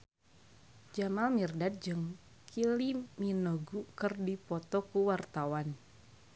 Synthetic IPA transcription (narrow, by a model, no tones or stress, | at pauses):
d͡ʒamalmirdad̚d͡ʒɨŋ | kʰiliminɔɡukɨrdipɔt̪ɔkuwart̪awan